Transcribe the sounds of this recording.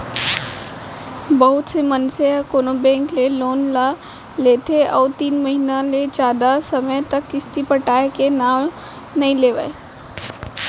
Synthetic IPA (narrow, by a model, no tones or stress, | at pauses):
bɐɦʊt̪semənseɔːkoːnobɛ̃ːŋkleloːnla | leːt̪ʰeɔːɾt̪iːnməɦinaled͡ʒaːd̪asɐməjt̪ɐkːɪst̪ipəʈaːekenaːm | nɐɦĩleːʋəe